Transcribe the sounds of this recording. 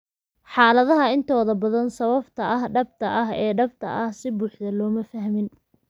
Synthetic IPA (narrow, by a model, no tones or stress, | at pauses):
ħɑːlɐðɐɦɐɪnt̪ʰɔːðɐbɐðɐnsɐβɐbt̪ʰɐʔɐɦɖɐb̚t̪ʰɐʔɐɦɛːɖɐbt̪ʰɐ̰ʔɐhsɪbuːħðɐlɔːmɐfɐɦmɪn